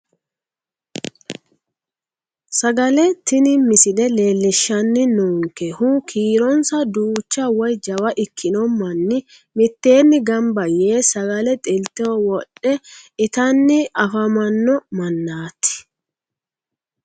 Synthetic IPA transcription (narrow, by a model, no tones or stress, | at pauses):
sɐɡɐlɛt̪ɪnɪmɪsɪd̪ɛle̞ːlːɪʃːɐnːɪnuːŋkːɛhʊkʰiːɾɔnsɐd̪uːt͡ʃːɐwɔjd͡ʒɐwɐʔɪkʰːɪnɔmːɐnːɪ | mɪt̪ːe̞ːnːɪɡɐmbɐjeːsɐɡɐlɛt̪ʼɪlt̪ːɛwɔwɔɗːɛɪt̪ɐnːɪʔɐfɐmɐnːɔmɐnːaːt̪ːɪ̥